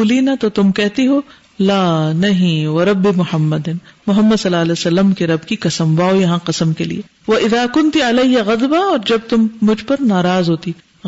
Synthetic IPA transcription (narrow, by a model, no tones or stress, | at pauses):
uːliːnat̪ot̪ʊmkɛɦt̪iɦoː | laːnɐɦĩʋɐɾɐbːimʊhɐmːɐd̪ɪnmʊɦɐmːəd̪sɐlːaːlesɐlːəmkeɾɐbkikɐsəmʋaːojɐɦãqɐsəmkelḭe | ʋɐʔɪðaːkʊnt̪iɐlɐɪjɐɣɐd̪baɔːɾd͡ʒɐb̚t̪ʊmːʊd͡ʒʱpɐɾnaːɾaːzɦoːt̪i